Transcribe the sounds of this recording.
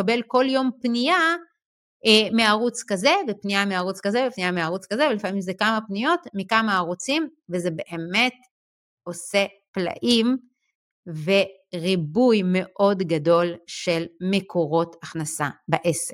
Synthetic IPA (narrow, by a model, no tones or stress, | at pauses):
abelko̞ljo̞mpnija | emeaʁut͡skaze̞vepnijameaʁut͡skazevepnijameaʁut͡skazevelifamimzekamapnijo̞tmikamaːʁot͡simvezebe̞ʔeme̞t̚ | o̞se̞ | pla̰ʔim | ve̞ | ʁibujme̞ʔo̞dɡado̞lʃe̞lme̞kʰo̞ʁo̞taχnasabaʔese